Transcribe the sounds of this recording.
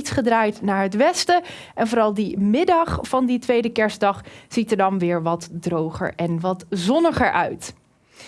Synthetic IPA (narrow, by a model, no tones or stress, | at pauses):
tsχədraːjtnaːɹɦətʋɛstə | ʔɛnvoːɾɑlˠdimɪdɑχfɑnditʋejdəkɛɹsdɑχz̥itəɹdɑnʋɪːɹʋɑtdrowχə̰ɹɛnʋɑtzɔnəχəɹʔœɥt